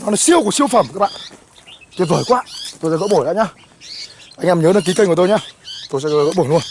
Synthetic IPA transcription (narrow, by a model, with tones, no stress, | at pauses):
nɔ˨˦nɔ˨˦si˧əwku˧˩k̚si˧əwfə˧˩mkaː˦˥ɓa̰ː˧˨n | t͡ɕe˧˦vəː˧˩jkwaː˧˨t̪o˧sɛ̰˧˥ɣə̰˧˥ɓo˧˩ɗa̰ː˧˥ɲaː˧ | ʔa˧jŋʔɛ˧mɲəː˨˦ɗəː˨˦k̬i˨˦kə˧ŋkt̪o˧jɲaː˧t̪o˧jsɛ̰˧˥˧ɣə̰˧˥ɓo˧˩lu˧ən